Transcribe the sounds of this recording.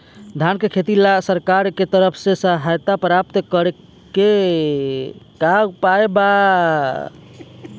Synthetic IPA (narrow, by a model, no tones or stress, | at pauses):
d̪ʱankekʰet̪ilasəɾkaɾket̪əɾəpʰsesəɦajt̪apɾapt̪kəɾe | ke | kapaeba